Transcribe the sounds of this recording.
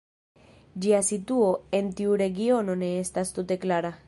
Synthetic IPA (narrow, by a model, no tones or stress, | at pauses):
d͡ʒiasituo̞e̞ntiuɾe̞ɡio̞no̞ne̞estast̪ute̞klaɾa